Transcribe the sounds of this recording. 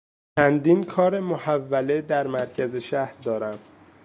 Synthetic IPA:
t͡ʃʰænd̪iːnkʰɒːɾe̞mohævːæled̪æɾmæɾcʰæze̞ʃæhɾd̪ɒːɾæm

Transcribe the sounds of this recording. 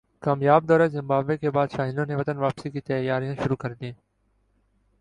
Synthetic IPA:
kaːmjaːbd̪ɔːɾeːzɪmbaːbeːkeːbaːd̪ʃaːɦɪnõːneːʋət̪ənʋaːpsiːkiːt̪əjaːɾijãːʃʊɾuːkəɾd̪iẽː

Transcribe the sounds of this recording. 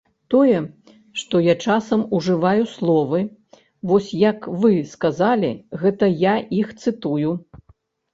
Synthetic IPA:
t̪ɔjɛ | ʂt̪ɔjat͡ʂasɐmuʐɨvajuslˠɔvɨ | vɔsʲjɐkvɨskazalʲiɣɛt̪ɐjaixt̪sɨt̪uju

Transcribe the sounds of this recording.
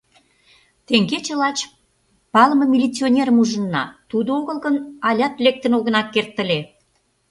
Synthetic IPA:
t̪eŋɡet͡ɕə̆lɑt͡ɕ | pɑləmə̆mʲilʲit͡sionʲeɾəmuʒə̆nːɑ̰t̪ud̪ooɣə̆lɣənɑlʲɑt̪lek̚t̪ənoɣənɑkːert̪ːə̆le

